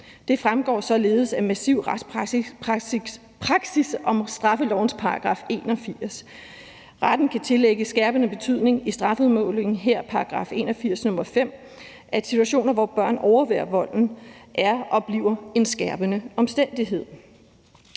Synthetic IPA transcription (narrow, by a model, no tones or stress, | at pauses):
d̥e̝fʁamɡ̥ɒ̰ːsɒ̽le̝ːð̩ˠsæmæsiʊ̰ʁḁp | pʰʁɑ̈ɡ̥sisɒ̽msd̥ʁɑ̈fəlɒʊ̰n̩spʰɑ̈ɑɡ̥ʁɑ̰̈fe̝ːnɒ̽fiɐ̰s | ʁad̥n̩kʰæt͡sʰe̝leɡ̥əsɡ̥æɐb̥ənəb̥e̝t͡sʰyð̞̰ˠne̝ŋisd̥ʁɑ̈fəuðˠmɔ̰̽ːle̝ŋŋ̩ɦeɐ̰pʰɑ̈ɑɡ̥ʁɑ̰̈fe̝̰ːnɒ̽fiɐ̰snɔ̽mɐfem̰ | ʔæ̥sit͡sʰuæɕo̝̰ːnɐʋɒb̥ɶɐ̰nʔɒʊɐʋeːɐʋɒ̽l̰n̩ʔæɐʔɒ̽b̥lḭʊ̰ɐe̝nsɡ̥æɐb̥ənəɒ̽msd̥en̰d̥iɦe̝ð̰ˠ